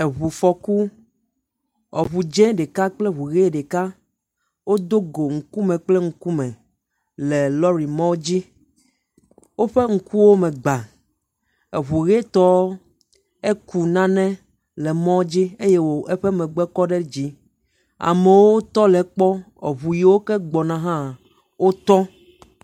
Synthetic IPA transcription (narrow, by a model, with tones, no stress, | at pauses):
e˨βu˨fɔ˨ku˦ | ɔ˨βu˨d͡ʒɛ̃˦ɖe˨ka˦k͡plɛ˦βu˨ɣe˦ɖe˨ka˦ | wo˦d̪o˦ɡo˨ŋ̩˨ku˦mɛ̃˨k͡plɛ˦ŋ̩˨ku˦mɛ̃˨ | lɛ˨lɔ˦ɾi˨mɔ̃˦d͡ʑi˦ | wo˦ɸe˦ŋ̩˨ku˦wo˦mɛ̃˨ɡ͡ba˨ | e˨βu˨ɣe˦t̪ɔ˦ | e˦ku˨nã˦nɛ̃˦ | lɛ˨mɔ̃˦d͡ʑi˦e˦je˦wo˨ʔe˦ɸɛ˦mɛ̃˨ɡ͡bɛ˦kɔ˦ɖɛ˦d͡ʑi˦ | a̰˨mɛ˨wo˦t̪ɔ˦lɛ˨k͡pɔ˦ | ḛ˨βu˨ji˨wo˦kɛ˦ɡ͡bɔ˨nã˨ɦã˦˨ | wo˦t̪ɔ˦